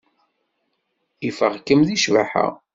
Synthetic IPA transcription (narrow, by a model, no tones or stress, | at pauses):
ifəʁkːəmðiʃvaħa̰